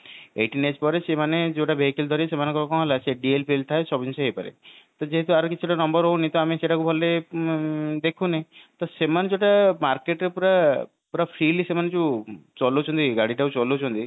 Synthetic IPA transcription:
ḛʈined͡ʒpɔɾesemaned͡ʒoʈabeɦikild̪ʱɔɾiesemanɔŋkɔkɔ̃ɦelaseɖielpielt̪ʰaesɔbʱinseɦejpaɾḛt̪ɔd͡ʒeɦet̪uaɾɔkit͡ʃʰuʈanɔmbɔɾɦownit̪ɔameseʈakubʱɔle | d̪ekʰunet̪ɔsemaned͡ʒeoʈamaɾkeʈɾepuɾa | pɾapʰɾilisemanet͡ʃʰut͡ʃɔlot͡ʃʰɔnt̪iɡaɽiʈakut͡ʃɔlot͡ʃʰɔnt̪i

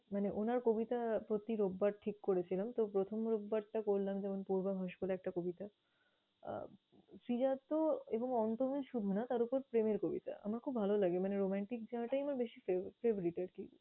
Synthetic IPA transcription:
maneʔonaɾkobit̪apɾot̪iɾobːaɾʈʰikːoɾet͡ɕʰilamt̪opɾot̪ʰomɾobːaɾʈakoɾlamd͡ʑɛmonpuɾbaɦɔʃkoleɛk̚ʈakobit̪a̰ | sɾid͡ʑat̪ːoeboŋɔnt̪omiʃud̪ʱunat̪aɾupoɾpɾemeɾkobit̪a̰a̰maɾkʰubbʱalolaɡemaneɾomaɳʈik̚d͡ʑɔʈaijamaɾbeʃifefebɾiʈaɾki

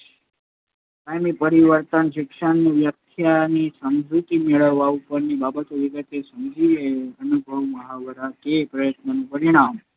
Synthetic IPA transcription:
sajmipəɾiʋəɾt̪ənʃikʂənʋjəkt̪ʰjanisəmd̪ʱut̪imeɭəʋːaupəɾnibabət̪oʋiɡət̪esəmd͡ʒiʋeənubʱəʋməɦaʋəɾakepɾəjət̪nənũpəɾiɽ̃am

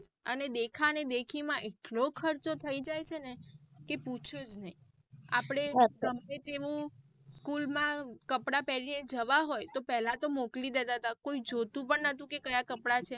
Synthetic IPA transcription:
d͡ʒəned̪ekʰaned̪ekʰimãʔeʈlokʰəɾt͡ʃot̪ʰəid͡ʒajt͡ʃʰenekeput͡ʃʰod͡ʒnəɦĩ | apɽ̃eɡəmet̪eʋũ | skulmãkəpɽapɛɾined͡ʒəʋaɦojt̪opɛɦlat̪omoklid̪et̪at̪akoid͡ʒot̪ũpəɳnət̪ũkekəjakəpɽat͡ʃʰe

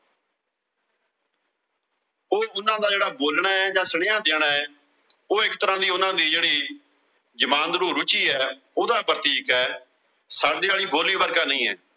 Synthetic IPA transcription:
oːʊnãːd̪aːd͡ʒeːɽaːboːlɳaːɛd͡ʒãːsəɽɪjãːd̪eːɽaːɛː | oːɪkt̪əɾãːd̪iːʊnãːd̪iːd͡ʒeːɽiː | d͡ʒəmaːnd̪ɾuːɾʊt͡ʃiːɛː | ʊd̪aːpɾət̪iːkɛː | saːɖiːaːliːboːlʋiːbəɾkaːnəĩːɛ̰ː

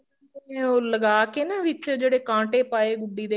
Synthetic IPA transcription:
eoːləɡaːkeneːʋɪt͡ʃd͡ʒeːɽeːkãːɳʈeːpaːeːɡʊɖːiːd̪eː

